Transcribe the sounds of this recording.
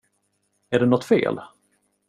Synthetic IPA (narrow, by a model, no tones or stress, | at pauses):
æɖɛnɔt̪ːfḛːl